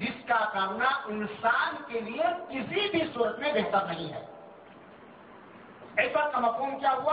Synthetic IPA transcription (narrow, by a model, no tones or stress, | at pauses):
d͡ʒɪskakəɾnaʔɪnsaːnkeliekɪsibʱisuːɾət̪mẽbeɦt̪əɾnəɐɦĩɦɛ̰ː | espɐɾkɐməkːuːnkjaɦua